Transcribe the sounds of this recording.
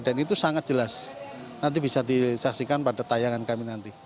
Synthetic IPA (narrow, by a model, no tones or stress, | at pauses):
ɖanit̪usaŋat̪̚d͡ʒ̥əlas | nant̪ibisadisaksikanpada̤t̪ajaŋankaminant̪i